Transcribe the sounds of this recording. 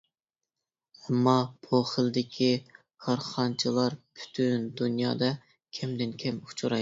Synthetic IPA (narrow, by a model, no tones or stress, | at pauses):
ɛmːɑb̥uχəlˠɨd̪ɪkʲʰi | qʰɑɾχɑnt͡ʃʰɨlˠɑɾpʰy̥t̪ʰynd̪unjɑ̰ːd̪ɑ | kʲʰɛmd̪ɪnkʲʰɛmu̥t͡ʃʰuɾɑj